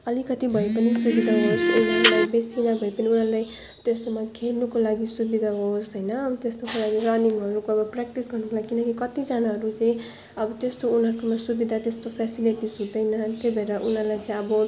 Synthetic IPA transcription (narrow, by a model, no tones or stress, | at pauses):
ʌlikʌt̪ibʱʌepʌnisubid̪ʱaɦosunalajbesinabʱʌipʌniunʌɾlaj | t̪est̪omakʰelnukolaɡisubid̪ʱaɦosɦʌjnʌt̪est̪okolaɡirʌniŋʌɾukoʌbʌprak̚ʈisɡʌrnukolaɡikinʌkikʌt̪id͡zanaɦʌɾut͡saĩ | ʌbʌt̪est̪ounɦʌɾukomasubid̪ʱat̪est̪opʰasiliʈisɦũd̪ʌjnʌt̪obʱʌeɾʌʔunɦʌlajt͡saĩʌbʌ